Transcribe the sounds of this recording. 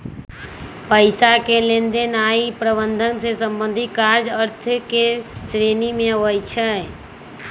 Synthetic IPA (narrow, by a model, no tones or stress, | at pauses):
pəɪsakelẽnd̪enaːipɾəbənd̪ʱənsesə̃mbə̃nd̪ʱikaɾd͡ʒəɾt̪ʰkesɾenimẽʋəjt͡ʃʰəɦe